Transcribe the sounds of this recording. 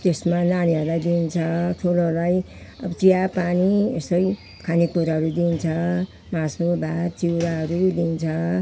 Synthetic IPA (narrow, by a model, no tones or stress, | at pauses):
t̪esmananiɦʌɾulajd̪int͡sʰʌt̪ʰulolaj | ʌbt͡sijapaniesʌj | kʰanipuɾɦʌɾud̪int͡sʰʌ | mãsobʱat͡siwɾaɦʌɾud̪int͡sʰʌ